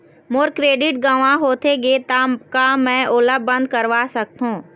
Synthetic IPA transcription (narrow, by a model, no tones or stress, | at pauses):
moːɾkɾeːɖɪʈ̚ɡaːʋãɦoːt̪ʰeɡeːt̪amkamɛ̃ʔoːləbɐ̃nd̪̚kɐɾʋasɐk̚t̪ɦũː